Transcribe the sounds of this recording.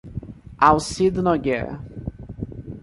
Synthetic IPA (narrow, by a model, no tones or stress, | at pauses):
awsid̪nɔɡɛ̰ɾ